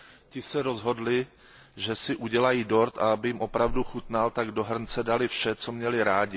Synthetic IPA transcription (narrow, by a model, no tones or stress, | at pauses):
cɪsɛɾo̞zɦo̞dlɪ | ʒɛsɪʔuɟɛlajiːdo̞ɾt̪a̰abɪjɪmʔo̞pɾavduxut̪nalt̪aɡdo̞ɦr̩nt͡sɛdalɪfʃɛt͡so̞mɲɛlɪɾaːɟɪ